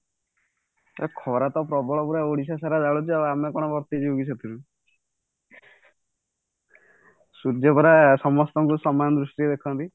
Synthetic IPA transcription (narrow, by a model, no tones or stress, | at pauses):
akʰɔɾat̪ɔpɾɔbɔɭɔpuɾaoɽisasaɾad͡ʒaɭut͡ʃʰiaamekɔɽ̃ɔbɔɾt̪id͡ʒiuɡit͡ʃʰɔt̪ʰiɾu | suɾd͡ʒɔbɔɾasɔmɔst̪ɔŋkusɔmɔjɔnd̪ɾusʈied̪ekʰɔnt̪i